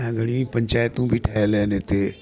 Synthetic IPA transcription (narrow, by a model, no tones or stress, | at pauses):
ãɡəɽ̃ĩːpəɲt͡ʃaːjət̪ũːbʱiːʈʰaːelɛːneːt̪eː